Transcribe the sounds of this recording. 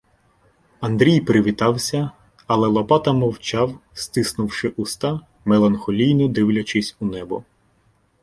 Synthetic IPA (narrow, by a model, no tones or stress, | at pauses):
ɐnd̪ɾʲijpɾɪʋʲit̪ɑwsʲɐ | ɐlˠɛlˠɔpɑt̪ɐmɔwt͡ʃɑwst̪ɪsnʊwʃɪʔʊst̪ɑ | melˠɐnxɔlʲijnɔd̪ɪwlʲɐt͡ʃɪsʲunɛbɔ